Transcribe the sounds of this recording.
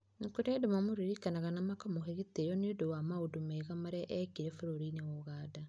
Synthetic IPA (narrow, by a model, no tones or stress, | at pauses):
nekoɾɛdemamoɾiɾikanaɣanamakamoɦeɣetejɔneodowamaodomɛɣamaɾɛʔɛkiɾɛfeɾoɾiːnewɔɣaːda